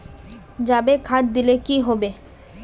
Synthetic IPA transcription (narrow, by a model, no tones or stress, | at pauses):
d͡ʒabekʰad̪̚d̪ilekiɦobe